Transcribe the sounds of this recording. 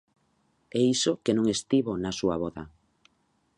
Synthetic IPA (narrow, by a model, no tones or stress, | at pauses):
ɛisokenõŋest̪iβonasua̰βɔða̰